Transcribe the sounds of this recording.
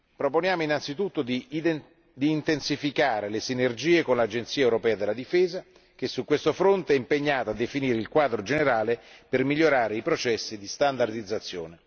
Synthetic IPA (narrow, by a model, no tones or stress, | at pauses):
pɾoponjaːmoinant̪sit̪ut̪ːod̪i | d̪iːnt̪ensifikaːɾelesinerd͡ʒiːekonlaːd͡ʒent̪siːaewɾopɛːad̪elːad̪ifeːza | k̟esːukwest̪ofɾont̪eɛimpeɲːaːt̪oad̪ːefiniːɾeilkwaːd̪ɾod͡ʒeneɾaːlepermiʎːoɾaːɾeipɾot͡ʃɛsːid̪ist̪and̪ard̪id̪zːat̪sːjo̰ːne